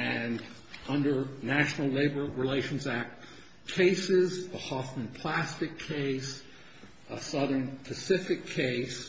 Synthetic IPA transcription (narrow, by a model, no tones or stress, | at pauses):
ɨ̃n | ʌ̃ndə˞næʃnl̩ˠleɪbə˞ɹileɪʃn̩zæk̚t | kʰeɪsɪzðəhɑθmɨ̃npʰl̥æstɨkʰeɪs | əsʌðə̃˞npʰɨsɪfɨkʰeɪs